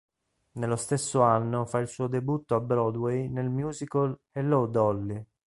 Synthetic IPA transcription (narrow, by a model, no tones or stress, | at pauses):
nelːost̪esːoanːofailsuːod̪ebut̪ːoabːɾɔd̪wɛjnelmjuːzikolhɛlowd̪ɔlːi